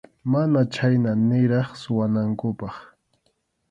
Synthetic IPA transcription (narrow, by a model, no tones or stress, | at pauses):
manat͡ʃajnanɪɾɑχsʊwanaŋkʊpɑχ